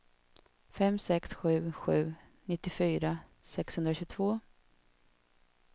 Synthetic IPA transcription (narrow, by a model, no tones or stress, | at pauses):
fɛmsɛksɧʉ̟ːɧʉ̟ː | nɪt̪ːɪfyːɾasɛkshɵnɾaɕɵt̪ʰvoː